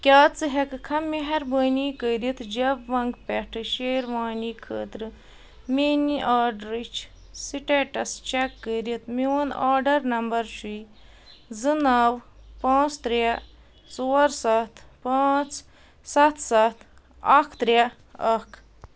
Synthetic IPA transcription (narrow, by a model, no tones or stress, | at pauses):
kʲaːt͡sɨɦekɨkʰɐmeɦɐɾbəːniːkəːɾit̪d͡ʒɐbʋɐŋɡpeʈʰɨʃeːɾʋaːniːkʰə̰ːt̪ɾɨ | meːniʔaːɾɖɾit͡ʃʰ | siʈeʈɐst͡ʃekːəɾit̪miwɐnaːɾɖɐɾnɐmbɐɾʃuː | zɨnaːʋpãːt͡st̪ɾa | t͡soːɐɾsɐt̪ʰpãːt͡s | sɐt̪ʰsɐt̪ʰ | ɐkʰt̪ɾja | ɐkʰ